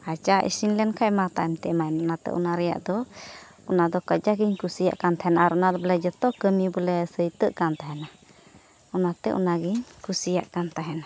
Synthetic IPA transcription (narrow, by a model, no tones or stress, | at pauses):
at͡ʃaʔḭsinlɛnkʰajmat̪aɛmt̪ɛmaɛnɔnat̪ɛ̰ʔṵnaɾɛja̰ʔd̪ɔ | ɔnad̪ɔkəd͡ʒaɡiɲkusija̰ʔkant̪ʰaɦɛnaaɾɔnad̪ɔblɛd͡ʒət̪ɔkəmibəlɛsəjt̪əʔkant̪aɦɛna | ɔnat̪ɛʔṵnaɡiɲkusija̰ʔkant̪aɦɛna